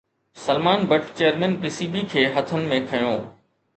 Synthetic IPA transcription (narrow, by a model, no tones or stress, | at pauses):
sɐlmaːnbɐʈt͡ɕeːjəɾmɛ̃ːnpɪsiːbikʰeːɦɐt̪ʰənɪ̆mẽkʰɐjõː